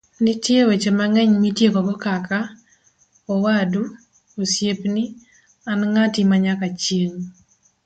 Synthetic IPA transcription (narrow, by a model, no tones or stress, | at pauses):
nitjewet͡ʃemaŋɛɲmitjekɔɡɔkaka | ɔwadu | osjepni | anŋatimaɲakat͡ʃjeŋ